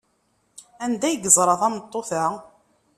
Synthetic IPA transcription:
ænd̪æjɡəzˤɾˤɑðˤɑmət̪ˤːoθa

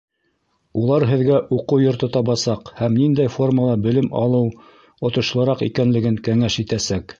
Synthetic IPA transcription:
ulˠɑɾɦɘ̆ðɡæʔuqɤwjŏɾt̪ɤt̪ɑβɑsɑqhæmnind̪æjfo̞rməlˠɑbɘ̆lɘmɑ̰lˠɤw | ŏt̪ŏʃlˠɤ̆ɾɑqḭkænlɘ̆ɡɘŋkæŋæʃit̪æsæk

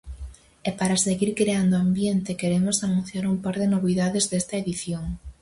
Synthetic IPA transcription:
ɛpaɾaseɣiɾkɾeand̪oambjent̪ɪkeɾemosanũn̟θjaɾumpaɾðɪnoβiðaðezðest̪ɐeðiθjoŋ

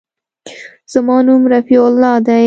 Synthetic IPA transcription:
z̥əmɑnumɾafiʊlːɑd̪a

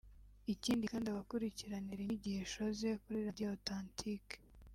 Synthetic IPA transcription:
iciːndikaːndiaβakuɾiciɾaniɾiiɟiheʃoze̞kuɾiɾadiotantʰike̥

